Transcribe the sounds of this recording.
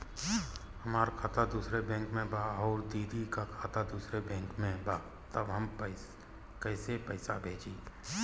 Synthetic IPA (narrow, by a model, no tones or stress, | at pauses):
hɐmaːɾkʰaːt̪ad̪uːsɾebɛ̃ːŋkmẽbaːɔːɾd̪iːd̪ikakʰaːt̪ad̪uːsɾebɛ̃ːŋkmẽbaː | t̪əbɦɐm | kɛːsepəɪsabʱeːd͡ʒiː